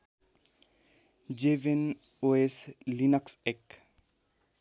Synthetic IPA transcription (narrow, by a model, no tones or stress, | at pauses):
d͡ʒeven | oeslinɔksek